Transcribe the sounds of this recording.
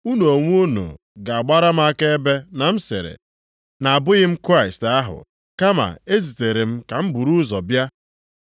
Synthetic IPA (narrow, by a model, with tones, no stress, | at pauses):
u˦no˨ŋʷ˦o˦no̰˨ | ɡa˨a˨ɡ͡ba˦ɾa˦m̩˦a˦ke˦e˦be˦na˨m̩˦sɪ̰˨ɾḛ˨ | na˨a˨bʊ˦ɣɪ˦m̩˦kɾa˦ɪ˨sta˦ɦʊ̰˨ | ka˦ma̰˨e˦zi˨te˨ɾe˨m̩˦ka˨m̩˦bu˨ɾu˦zɔ˨bja˦